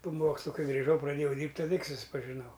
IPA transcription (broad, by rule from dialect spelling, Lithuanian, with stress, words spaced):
poː ˈmoːkslˠʊ ˈkɐɪ ɡrʲɪˈʒɐʊ prɐˈdʲeːjɛʊ ˈdʲiːrʲpʲtʲ tɐˈdɐ tʲɪk sʊspɐʒʲɪˈnɐʊ